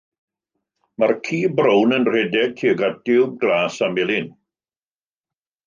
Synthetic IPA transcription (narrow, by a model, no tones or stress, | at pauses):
markʰiːbrownənr̥ɛdɛɡ̚kʰiəɡat̚d̥ɪwb̚ɡlaːsamɪlˠɪn